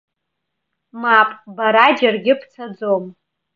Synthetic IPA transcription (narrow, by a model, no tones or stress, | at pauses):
mapʼbaɾad͡ʒarɡʲɪpʰt͡sʰad͡zom